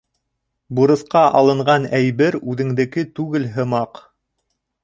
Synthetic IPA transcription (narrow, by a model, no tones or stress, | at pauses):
buɾɤ̆θqɑʔɑlˠɤ̆ɴɢɑnæjβɘɾʉðɘ̆ŋd̪ɘ̆kɘt̪ʉɡɘlɦɤ̆mɑq